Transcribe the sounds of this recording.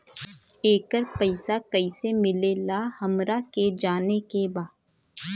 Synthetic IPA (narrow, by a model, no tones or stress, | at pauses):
eːkəɾpəɪsakɐisemɪlelahɐmɾaked͡ʒaːnekebaːd̪